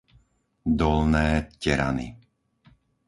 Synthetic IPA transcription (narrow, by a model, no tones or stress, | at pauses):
d̪ɔlnɛːcɛɾa̰nḭ